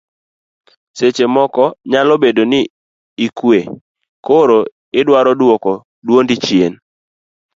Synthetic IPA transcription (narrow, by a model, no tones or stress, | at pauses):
set͡ʃemɔkɔɲalɔbedonɪ | ikwe | koɾo | ɪdwaɾɔdwɔkɔ | dwondɪt͡ʃjen